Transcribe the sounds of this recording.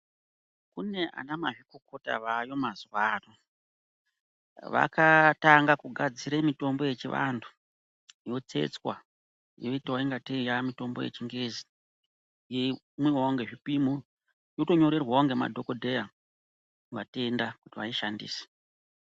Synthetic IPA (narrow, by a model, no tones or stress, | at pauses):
kune̞ʔa̰namaʐikoko̞ta̰ʋajo̞mazuwaːro | ʋa̰kataŋɡakuɡʱad͡ziɾemito̞mbo̞je̞t͡ʃiʋa̰ntʰu̥ | jo̞t͡se̞̰t͡swa̰ | joitowaiŋɡatejamito̞mbo̞jḛt͡ʃiŋɡe̞zi̥ | je | mwiwaoŋɡe̞ʐipimo | joto̞ɲo̞ɾe̞rwaoŋɡe̞ma̰dʱo̞ko̞dʱeja | ʋate̞ndakutiʋaiʃandḭːse̥